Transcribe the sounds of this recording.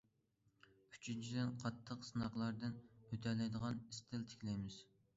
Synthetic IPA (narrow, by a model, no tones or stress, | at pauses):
y̥t͡ʃʰynt͡ʃʰid̪ɪnqʰɑt̪ʰːəqsɨnɑqlˠɑɾd̪ɨnøt̪ʰɛlɛjd̪əʁɑnist̪ʰɪlt̪ʰɪ̥kʲlɛjmɪz̥